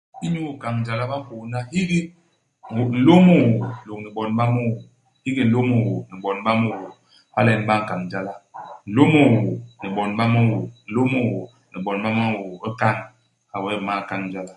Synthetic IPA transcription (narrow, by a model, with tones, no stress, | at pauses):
i˦ɲu˦o˨ka˨ŋn̩˨d͡ʒa˨la˦ba˦m̩˦fo˨˦na˦hi˦ɡi˦˨ | o˨n̩˨lo˦mo˦wo˨n˨lo˨k̚ni˨bɔ˨n˦ba˦mo˦˨wo˨ | hi˦ɡi˦n̩˨lo˦mo˦˨wo˨ni˨bɔ˨n̩˦ba˦mo˦˨wo˨ | a̰˦le˨n̩˨ba˦ŋ̩˨ka˨ŋn̩˨d͡ʒa˦la˦n̩˨lo˦mo˦˨wo˨ni˨bɔ˨n˦a˦mo˦˨wo˨n̩˨lo˦mo˦˨wo˨ | ni˨bɔ˨n˨˦ba˦ma˦˨wo˨o˦ka˦ŋ | a˨we˦˨ma˦˨ka˨ŋn̩˨˦d͡ʒa˦la˦